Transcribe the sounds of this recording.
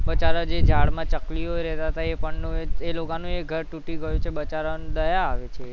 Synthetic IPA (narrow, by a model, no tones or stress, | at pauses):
bət͡ʃaɾəd͡ʒed͡ʒʱaɭmãt͡ʃəkliɦojɾɛt̪at̪aepəɳnũeelokanũeɡʱəɾʈũʈiɡəjũt͡ʃʰebət͡ʃaɾad̪əjaːʋet͡ʃʰe